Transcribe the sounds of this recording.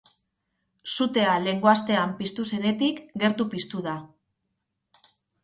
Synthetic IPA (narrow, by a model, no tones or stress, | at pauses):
sut̪e̞ale̞ŋɡo̞ast̪e̞ampist̪use̞ɾe̞t̪ikɡe̞ɾt̪upist̪uða